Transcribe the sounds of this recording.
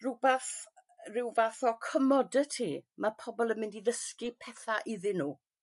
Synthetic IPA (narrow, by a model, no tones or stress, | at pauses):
rubɛθ | rɪwvaθɔkʰəmɔdɛtʰiːmapʰɔbɔlˠəmɪndiðəskipʰɛθaʔɪðɪnuː